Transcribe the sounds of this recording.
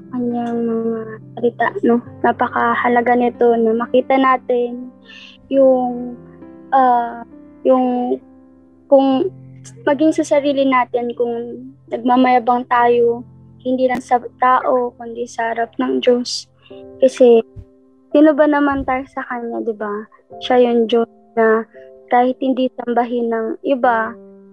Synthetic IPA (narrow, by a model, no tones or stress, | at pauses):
kɐɲaŋmɐŋasɐlɪt̪a̰ʔno̞naːpɐkɐhɐlɐɡanɪt̪o̞nɐmɐkiːt̪ɐnaːt̪ɪn | jʊŋ | ʔaː | jʊŋ | kʊŋ | mɐɡiŋsɐsɐɾiːlɪnaːt̪ɪnkʊŋnɐɡ̚mamɐjabaŋt̪aːjo̞ | hɪnd̪iːlɐŋsɐt̪aːʔo̞kʊnd̪isɐhɐɾap̚nɐŋd͡ʒo̞s | kɐsɛ | sɪnʊbanɐmant̪aːjosɐkɐɲːad̪ɪba | ʃajʊŋd͡ʒos | nɐkaːhɪt̪̚hɪnd̪isɐmbɐɦɪnɐŋʔɪba